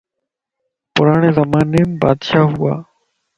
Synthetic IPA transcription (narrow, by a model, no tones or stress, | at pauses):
pʊɾaːɳeːzəmaːneːmba̰ːd̪ʃaːɦʊaː